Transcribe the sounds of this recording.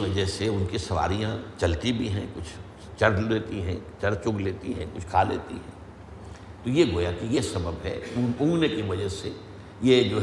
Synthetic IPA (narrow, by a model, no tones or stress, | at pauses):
ʋɐd͡ʒɛɦseʊnkisɐʋa̰ːɾijãt͡ʃɐlt̪ibʱiɦɛ̃kʊt͡ʃʰ | t͡ʃɐɾleːt̪iɦɛ̰̃t͡ʃɐɾt͡ʃʊkleːt̪iɦɛ̃kʊt͡ʃʰkʰaːlḛːt̪ḭɦɛ̰̃ː | t̪ojeɡoːjakijesɐbəbɦɛ̰ũũːɡnekiʋɐd͡ʒəse | jed͡ʒoː